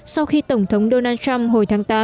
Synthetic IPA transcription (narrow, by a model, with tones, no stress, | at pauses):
sa˧wxi˧t̪ə˧˩wŋ͡mt̪ʰə˨˦wŋ͡mɗo˧naː˧nt͡ɕa˧mɦo˨˩jt̪ʰaː˨˦ŋt̪aː˨˦